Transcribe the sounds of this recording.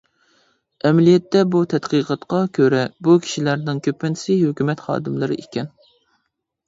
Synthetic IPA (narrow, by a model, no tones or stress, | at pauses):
ɛmɛlijɛt̪ːɛbut̪ʰɛt̪qɨqʰɑt̪qɑkʲʰøɾɛbukʲʰi̥ʃilæɾnɪŋkʲʰøpːɪn̥sɪhøkʲymɛt̪χɑ̰ːd̪ɨmlˠɨɾɨ̰ʔekʲʰɛn